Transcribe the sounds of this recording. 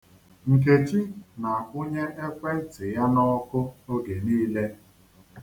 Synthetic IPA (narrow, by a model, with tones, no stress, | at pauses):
ŋ̩˨k̬e˨t͡ʃi˦na˨kʊ˦ɲe˦ʔe˦kʷe˦tɪ˨ja˦nɔ˦kʊ˦o˦ɡe˨niː˦le˦